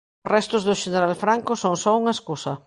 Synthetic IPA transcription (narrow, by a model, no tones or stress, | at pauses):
rɛst̪ʊzðʊʃeneɾalfɾaŋkʊsoŋsɔuŋɐeskusɐ